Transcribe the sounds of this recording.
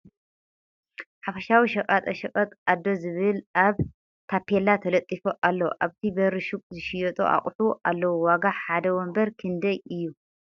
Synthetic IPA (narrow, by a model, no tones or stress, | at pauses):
ħafɐʃawiʃɐkʼat̪ʼɐʃɐkʼɐt̪ʼad̪ːo̞zɨβɨlaβ | kʰapʰːelat̪ʰɐlɐt̪ʼːifoʔalːɐwʔaβt̪ʰibɐɾɨʃukʼzɨʃɪjɔt̪ʼo̰ʔa̰χʼħuʔalːɐwuwaɡaħad̪ɐwɔmbɐɾkʰɨnd̪ɐjɨjːu